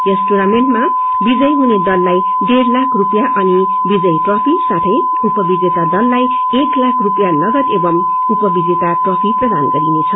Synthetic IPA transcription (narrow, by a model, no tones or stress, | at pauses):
resʈoɾamenʈma | bid͡zʌjɦuned̪ʌlːaj | ɖerlakʰrupjaʔʌni | bid͡zʌjʈrʌpʰisat̪ʰʌj | upʌbid͡zet̪ad̪ʌlːaj | eklakʰrupjanʌɡʌt̪ebʌm | upʌbid͡zet̪aʈrʌpʰiprʌd̪anɡʌɾinet͡sʰʌ